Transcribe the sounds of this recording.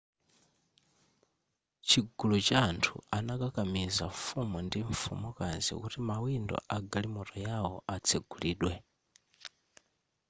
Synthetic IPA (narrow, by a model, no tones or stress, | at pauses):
t͡ʃʰiɡulut͡ʃaːntʰṵanakakamizafumundiɱfṵmɔkanzḭkutimawindɔ̰ʔaɡalimutɔjawɔʔat͡sʰɛɡ̥uliːɗwɛ